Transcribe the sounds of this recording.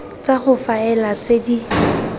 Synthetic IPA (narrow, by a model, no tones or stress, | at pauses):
t͡saχʊfaɛlat͡sedi